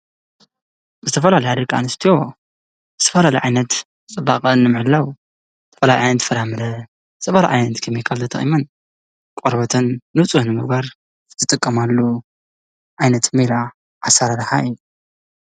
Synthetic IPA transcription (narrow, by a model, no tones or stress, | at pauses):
zɨt̪ʰɐfɐlalɐjad̪ɐkʰʼa̰nɨst̪ʰijo̞ | zɨt̪ʰɐ̥fɐlalɐjʕajnɐt̪ | t͡sʼɨbaχʼɐnːɨmɨʕɨlːaw | zɨt̪ʰɐfɐlajʕajnɐt̪fɐɾamɨɾɐ | ɨt͡s̪ʼɐfaɾa̰ʕa̰jnɐt̪kʰɨmikʰalt̪ʰɐt̪ʰɐ̰χʼḭmɐn | kʼoɾbɐt̪ʰɐnːɨt͡sʼuhnɨmɨɡbaɾ | zɨt̪ʰɨt̪ʼɨkʼːɐmalːo | ʕajnɐt̪miɾa | ʔasaɾaɾħaiju